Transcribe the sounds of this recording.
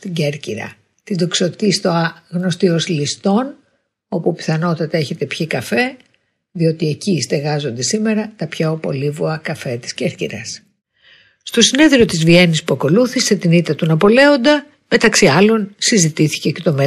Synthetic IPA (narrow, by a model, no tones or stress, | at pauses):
t̪iɟeɾciɾɐ̰ | t̪ind̪o̞kso̞t̪ist̪oɐɣno̞st̪io̞slist̪o̞n | o̞pupi̥θɐno̞t̪ɐt̪ɐe̞çe̞t̪e̞pçikɐfe̞ | ðio̞t̪ie̞cist̪e̞ɣɐzo̞nd̪e̞sime̞ɾɐt̪ɐpçopo̞̰livuɐkɐfet̪i̥sceɾcḭɾɐs | st̪o̞sine̞ðɾio̞t̪izvie̞nispuɐko̞luθise̞t̪init̪ɐt̪unɐpo̞le̞o̞nd̪ɐ | me̞t̪ɐksiɐlo̞nsizit̪iθi̥ce̞ce̞t̪o̞me